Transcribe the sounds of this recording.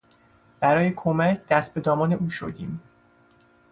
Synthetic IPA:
b̥æɾɒːjekʰomæcʰd̪̥æst̪̚be̞d̪ɒːmɒːne̞ʔuːʃo̰d̪iːm

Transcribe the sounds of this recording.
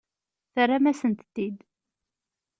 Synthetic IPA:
θərːamæsənt̪t̪ːid̪

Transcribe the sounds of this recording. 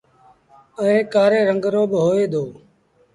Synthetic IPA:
əẽːkaːɾeːɾəŋɡɾoːɓɦoːeːd̪oː

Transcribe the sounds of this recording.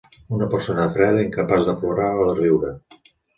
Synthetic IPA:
unəpəɾsonəðəfɾɛðiŋkəpazd̪əploɾaoðəriwɾə

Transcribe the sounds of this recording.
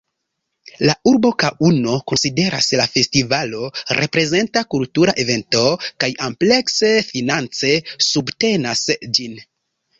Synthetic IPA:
lauɾbo̞kaʔuno̞ko̞nside̞ɾa̰slafe̞stivalo̞ɾʔe̞pɾe̞ze̞ntakultuɾaʔeve̞nto̞kajample̞kse̞finant͡se̞subte̞nasd͡ʒin

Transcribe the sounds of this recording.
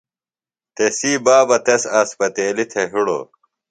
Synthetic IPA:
t̪esiːbaːbɐt̪esaːspɐt̪eːlit̪ʰeɦiɽo̰

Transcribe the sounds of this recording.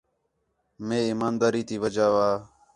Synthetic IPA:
mẽːiːmaːnd̪aːɾiːt̪iːʋəd͡ʒaːʋaː

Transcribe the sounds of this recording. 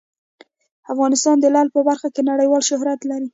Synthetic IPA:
afɣɑnɪst̪ɑnd̪əlɑlpəbaɾxakenaɽəjwɑlʃʊɦɾat̪laɾi

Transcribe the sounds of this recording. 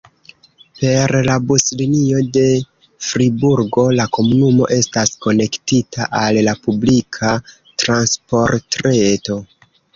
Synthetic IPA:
pe̞ɾlabuslinio̞de̞ | fɾibuɾɡo̞lako̞munumo̞̰ʔe̞stasko̞ne̞ktita̰ʔallapublikʰa | tɾanspo̞ɾtɾeto̞

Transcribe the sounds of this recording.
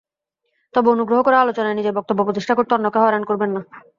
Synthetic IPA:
t̪ɔbeonuɡɾoɦokɔɾealot͡ɕonaenid͡ʑebɔk̚t̪obːopɾot̪iʃʈʰakoɾt̪eɔnːokeɦɔeɾankoɾbenːa

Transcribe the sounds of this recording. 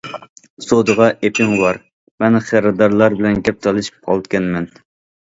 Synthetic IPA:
sod̪əʁɑʔepʰɪŋwɑɾ | mɛnχæɾɨd̪ɑɾlˠɑɾbɪlɛnɡʲɛp̚t̪ʰɑlˠɨʃi̥p̚qʰɑ̰lˠt̪kʲɛnmɛn

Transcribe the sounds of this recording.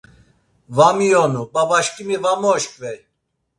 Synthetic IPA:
vamijɔnubavaʃkʼimivamɔʃkʼvɛj

